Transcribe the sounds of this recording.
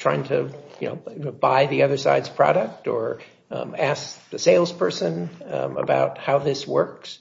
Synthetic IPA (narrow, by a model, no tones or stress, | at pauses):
tʰɹ̥aɪɪ̃ŋtʰɨjɨno̰ʊbaɪðiʌðə˞sa̰ɪdz̥pʰɹ̥ɑ̰ɾɨk̚tə̰˞ | æsk̚ðɨseɪlˠz̥pʰɜ˞sɨ̃nə̰ba̰ʊt̚haʊðɪswɜ˞ks